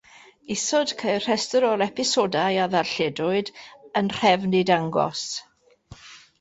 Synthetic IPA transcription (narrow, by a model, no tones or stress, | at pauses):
ɪsɔd̥kʰejr̥ɛstɔɾɔlˠɛpɪsodajaðarɬɛdʊɨdənr̥ɛvnidaŋɡɔ̰s